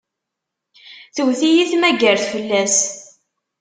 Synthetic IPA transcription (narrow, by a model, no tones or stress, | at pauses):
θəwθijiθmæɡəɾθfəlːæs